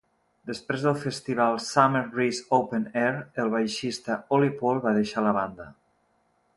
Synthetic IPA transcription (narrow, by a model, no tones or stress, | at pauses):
d̪əspɾezðəlˠfest̪iβ̞alˠsameɾrisowpenɛɾəlˠβajʃist̪əolipɔlˠβaðeʃaləβand̪ə